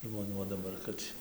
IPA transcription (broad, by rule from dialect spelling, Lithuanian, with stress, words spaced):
ʒmoːˈnʲuː oː dɐˈbɐr ˈkɐt tʲiː